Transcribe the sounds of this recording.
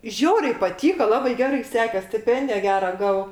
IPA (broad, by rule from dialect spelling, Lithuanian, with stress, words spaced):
ˈʒʲɛʊrʲɛɪ pɐˈtʲiːkoː ˈlˠɑːbɐɪ ˈɡʲæːrɐɪ ˈsʲæːkʲeːs sʲtʲɪˈpʲɛnʲdʲɪjɛ ˈɡʲæːrɐ ˈɡɑːʋɐʊ